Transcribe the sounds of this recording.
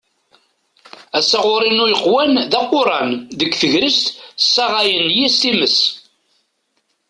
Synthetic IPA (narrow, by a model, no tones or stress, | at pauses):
æsæʁʊɾˤinujəqːwænðæqːʊɾˤɑnðəkʷːθəʝɾist̪sːɑʁɑjənjist̪iməs